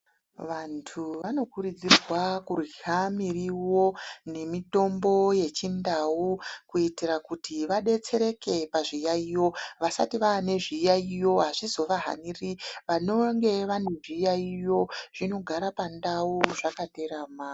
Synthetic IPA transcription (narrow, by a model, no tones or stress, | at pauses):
ʋantʰuʋano̞kurud͡zirwakurwiɦamiriwo̞ne̞mito̞mbo̞je̞t͡ʃindawukuitirakutiʋaɗe̞t͡se̞ɾe̞ke̞paʐijaijo̞ʋasa̰tiʋaːne̞ʐijaijo̞ɦaʐizo̞ʋaɦa̰niriʋano̞ŋɡe̞ʋane̞ʐiːjaijo̞ʐ̥ino̞ɡʱaɾapandauʐakate̞ɾaːmaː